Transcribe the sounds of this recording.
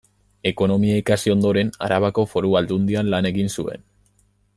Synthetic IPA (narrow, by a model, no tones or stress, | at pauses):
e̞ko̞no̞miaikasio̞nd̪o̞ɾe̞na̰ɾaβ̞ako̞fo̞ɾuald̪und̪ianlane̞ɣinsue̞̰n